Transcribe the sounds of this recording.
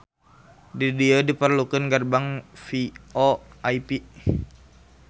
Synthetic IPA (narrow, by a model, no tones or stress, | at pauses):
didiodipərlukənɡərbaŋfioaipi